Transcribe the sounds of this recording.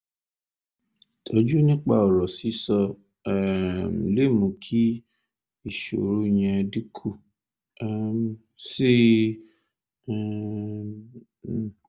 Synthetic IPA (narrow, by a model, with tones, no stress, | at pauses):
tʰo˧d͡ʒu˦nĩ˦k͡pa̰˧ɔ˨ɾɔ˨si˨˦sɔ˧˨ | m˨le˦˨mũ˨˧kʰi˦ | i˦˨ʃo̰˨ɾu˦˧j̃ɛ̃˧di˦kʰu˦˨ | m˨ | si˦˨